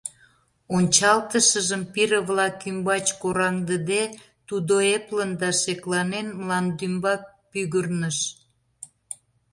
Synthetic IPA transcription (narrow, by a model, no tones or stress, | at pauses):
onʲt͡ɕɑlt̪əʃəʒəmpiɾəβlɑkymbɑt͡ɕkoɾɑŋd̪əd̪e | t̪ud̪oeplənd̪ɑʃeklɑnenmlɑnd̪ymbɑ | pyɣərnəʃ